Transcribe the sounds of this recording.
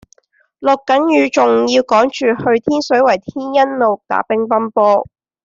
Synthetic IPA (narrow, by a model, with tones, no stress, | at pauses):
lʊ˨˩kːɐ˨˥njyː˨˧t͡sʊ˨ŋjiː˧wkɔː˨˥ŋt͡ʃyː˨hɵ˧ɥt̪ʰiː˥nsɵ˨˥ɥwɐ˨˩jt̪ʰiː˥njɐ˥nlo˨wt̪a̰ː˨˥pɪ˥ŋpɐ˥npɔː˥